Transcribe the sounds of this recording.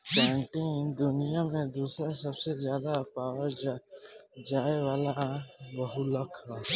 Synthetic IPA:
pɛ̃ːɳʈɪ̃ŋd̪ʊnijamẽd̪uːsɾasəbsezjaːd̪apaːʋəɾd͡ʒ | d͡ʒaːeʋaːlabəɦuləkʰɦa

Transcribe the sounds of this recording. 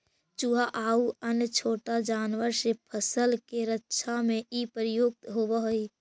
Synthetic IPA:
t͡ʃuɦaʔaːuənjət͡ʃʰoːʈad͡ʒaːnʋəɾsepʰəsəlkeɾətːʃʰamẽʔipəɾɪjoːɡ̚t̪ɦobəɦoi

